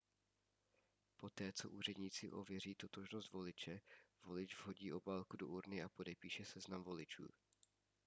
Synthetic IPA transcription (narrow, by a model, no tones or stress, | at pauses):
po̞t̪ɛːt͡so̞̰ʔuːr̝ɛdɲiːt͡sɪʔo̞̰vjɛr̝iːt̪ot̪oʒnosd̪vo̞lɪt͡ʃɛvo̞lɪd͡ʒvɦo̞ɟiːʔo̞baːlkudoʔuɾnɪapo̞dɛpiːʃɛsɛznamvo̞lɪt͡ʃṵː